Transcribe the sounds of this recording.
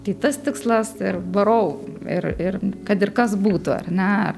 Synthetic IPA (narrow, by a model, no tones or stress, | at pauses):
t̪ʲɐɪt̪ɐst̪ʲɪkslˠɐsɪrbɐɾoʊɪ̰ɾɪrkɐt̪ɪrkɐsbuːt̪ʊɐ̰rʲnʲɛɐr